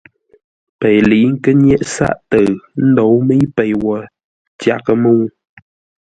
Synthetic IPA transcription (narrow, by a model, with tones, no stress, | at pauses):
pe˨jli˨˦ŋ̩˦kə˦ɲjɛ˦ʔsa̰˦˨ʔtə˨ɰn̩˦do˨˦wmə˦jpe˨jwɔ˨ | tja˦kə˦mə˦˨w